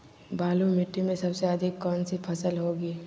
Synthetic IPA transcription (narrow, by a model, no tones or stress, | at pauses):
baːlumɪʈːimẽsɐbseɐd̪ʱɪkːɔːnsipʰɐsəlɦoːɡiː